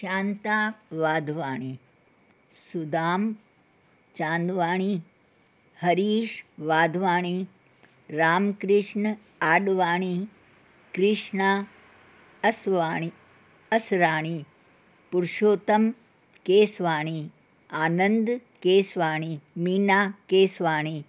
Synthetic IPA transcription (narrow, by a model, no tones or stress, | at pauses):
ʃaːnt̪aːʋaːd̪ʱʋaːɳ̃i | sud̪aːm | t͡ʃaːnd̪ʋaːɳ̃i | hɐɾiːʃʋaːd̪ʱʋaːɳi | ɾaːmkɾɪʂɳ | aːɖʋaːɳ̃i | kɾɪʂɳa | ɐsʋaːɳi | ɐsɾaːɳ̃i | puɾʃoːt̪ɐm | keːsʋaːɳ̃i | aːnɐnd̪keːsʋaːɳ̃iminaːkeːsʋaːɳ̃i